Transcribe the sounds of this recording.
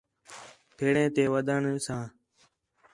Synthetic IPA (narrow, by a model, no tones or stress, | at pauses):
pʰeːɽẽːt̪eːʋəd̪əɳsãː